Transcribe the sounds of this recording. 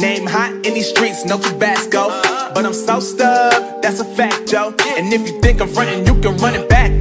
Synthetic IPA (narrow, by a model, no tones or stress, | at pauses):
nẽɪ̃mɦaɛnistɹ̥itsnoʊtʰɨbæskoʊb̥ʌɾãɪ̃msoʊstʌb̚ | ðætsəfæk̚d̥ʒ̥oʊɨ̃nɨfjɨθɪ̃ŋkɨ̃nfɹʌ̃ntɨ̃njɨkɨ̃nɹʌ̃nɨ̃t̚b̥æk̚